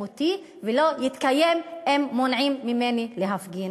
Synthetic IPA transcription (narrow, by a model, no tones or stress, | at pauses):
ot̪i | velojit̪kajememːonʕimːimenileɦafɡin